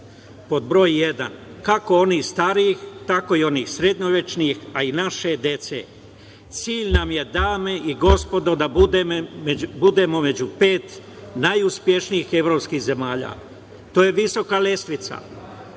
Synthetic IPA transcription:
po̞d̪bɾo̞ːjjed̪a̰nkako̞o̞niːxst̪aɾiːxt̪ako̞io̞niːxsɾed̪ɲoʋe̞t͡ʃnixainaʃe̞d̪je̞t̪sḛ | t̪siːʎnamje̞d̪aːme̞ʔiɡo̞spo̞d̪o̞d̪aud̪embud̪e̞mo̞me̞d͡ʑupeːt̪ | najuspje̞ʃnijixeʋɾo̞pskiːɣze̞maːʎa̰ː | t̪o̞ːje̞ʋiso̞kale̞sʋit̪sa̰

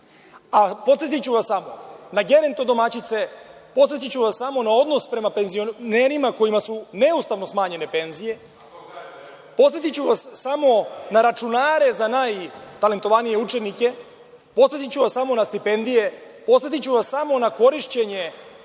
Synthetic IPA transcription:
apot̪se̞t̪̬it͡ɕuʋassamo̞naɡe̞ɾent̪o̞d̪o̞mat͡ɕit̪se̞po̞t̪se̞t̪it͡ɕuʋasamo̞nao̞d̪no̞spɾe̞mape̞nzio̞neɾimako̞jimasune̞ust̪aʋnosmaːɲe̞ne̞pe̞nzije̞ | po̞t̪et̪it͡ɕuʋasːamo̞naɾat͡ʃunaːɾe̞zanaːjt̪ale̞nt̪o̞ʋanije̞ut͡ʃenike̞ | po̞t̪e̞t̪it͡ɕuʋassamo̞nast̪ipe̞nd̪ije̞ | po̞t̪e̞t̪it͡ɕuʋassamo̞nako̞ɾiʃt͡ɕe̞ɲe̞

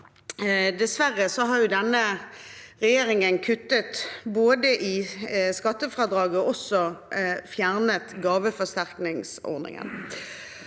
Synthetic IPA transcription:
d̪ɛsʋæʁːəsɔɦɑʁjʊd̪ɛnːə | ʁɛjeːɾɪŋənkʰʉt̪ːət̪boːd̪əʔɪskɑt̪ːəfɾɑd̪ɾɑːɡɔɔsːɔfjæʁnət̪ɡɑːʋəfɔst̪æʁknɪŋsɔ̰ɾnɪ̰ŋə̰n

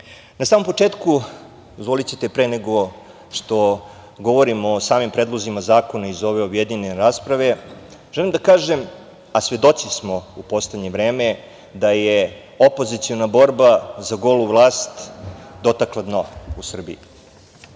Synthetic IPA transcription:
nasaːmo̞mpot͡ʂeːt̪ku | ozvʋo̞lit͡ɕet̪e̞pɾeneɡo̞ | ʂt̪o̞ | ɡo̞ʋo̞ɾimoːsaːmimpɾeːd̪lˠo̞zimazaːko̞naizo̞ʋe̞objed̪ɲineɾaːspɾaʋe̞ | ʒ̥elimd̪akaːʒem | asʋe̞d̪o̞t̪sismo̞upo̞sleɲe̞ʋɾe̞ːme | d̪aje | opo̞zit̪sionabo̞ɾbazaɡo̞ːluʋlˠaːst̪d̪o̞t̪aklˠad̪nousr̩bḭi

